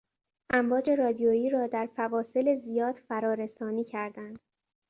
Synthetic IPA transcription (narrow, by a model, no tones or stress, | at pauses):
ʔæmvɒːd͡ʒe̞ɾɒːd̪ijojiːɾɒːd̪æɾfævɒːse̞lezijɒːd̪̥fæɾɒːɾe̞sɒːniːcʰæɾd̪ænd̪̥